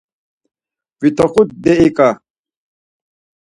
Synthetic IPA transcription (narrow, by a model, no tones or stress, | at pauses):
vit̪ʰɔχʊt̪̚d̪ɛikʼa